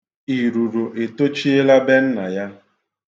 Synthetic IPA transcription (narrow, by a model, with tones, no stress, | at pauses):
i˨ɾu˨ɾo˨ʔe˨to˦t͡ʃi˦e˦la˦be˦n̩˦na˨ja˦